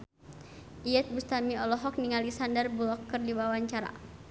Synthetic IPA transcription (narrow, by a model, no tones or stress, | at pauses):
ʔiɛt̪̚bust̪amiɔlɔɦɔk̚niŋalisandərbulɔkːərdiwawaɲt͡ʃaɾa̰